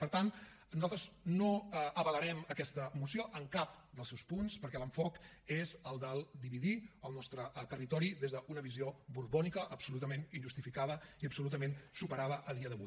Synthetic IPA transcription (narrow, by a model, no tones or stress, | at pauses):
pəɾt̪an | nuzalˠt̪ɾəznoʔəβələɾɛməkɛst̪əmusioʔəŋkap̚ | d̪əlˠsɛwspunspəɾkɛləɱfɔk | ezəlˠd̪əlˠd̪iβiðiəlˠnɔst̪ɾət̪ərit̪ɔɾiðezðəʔunəβiziobuɾβɔnikəʔːpsulut̪əmeninʒust̪ifikaðəiəpsulut̪əmensupəɾaðəʔəðiəðəβṵj